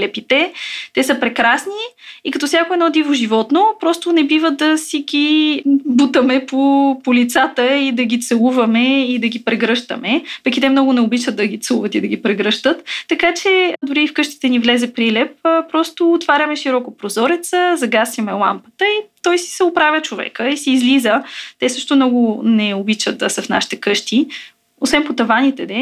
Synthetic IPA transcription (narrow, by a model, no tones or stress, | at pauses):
lɛpit̪ɛt̪ɛsəpɾɛkɾasniikɐt̪ɔsjakoɛd̪nɔd̪ivoʒivɔt̪nopɾɔst̪ʊnɛbivəd̪ɐsiɡʲi | but̪əmɛpopolit̪sat̪əid̪ɐɡit̪sɛlˠuvɐmɛid̪ɐɡʲipɾɛɡɾɤʃt̪ə̰mɛpɐkit̪ɛmnɔɡʊnɛʊbit͡ʃətd̪̚d̪ɐɡʲit̪sɛuvət̪id̪ɐɡʲipɾɛɡɾɤʃt̪ət̪ːɐkat͡ʃɛd̪ʊɾiːfkɤʃt̪i̥t̪ɛnivlɛzɛpɾilɛp̚ːpɾɔst̪oːt̪vaɾʲɐmɛʃiɾɔkopɾozɔɾɛt̪səzɐɡasjɐmɛlˠa̰mpə̥t̪əit̪ɔjsi̥sɛopɾavʲjət͡ʃovɛ̰kəisiːzlizət̪ɛsɤʃt̪omnɔɡʊnɛobit͡ʃət̪̚d̪ɐsəfna̰ʃi̥t̪ɛkɤʃt̪i | osvɛnpot̪ɐvanʲit̪ɛd̪ɛ